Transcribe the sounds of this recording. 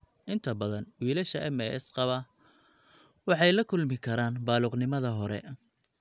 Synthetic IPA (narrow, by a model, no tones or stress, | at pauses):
ʔɪnt̪ʰɐbɐðɐnwiːlɐʃɐʔɛmɛɛ̰sqɑβɐ | wɑħɑjlɐkʰʊlmɪkʰɐɾaːnbaːluːqnɪmɐðɐɦɔɾɛ̰